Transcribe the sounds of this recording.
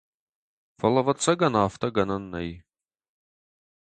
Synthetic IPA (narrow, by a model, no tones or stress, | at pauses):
fɐlɐvɐt͡sʰɐɡɐnaːftʰɐɡɐnɐnːɐ̰j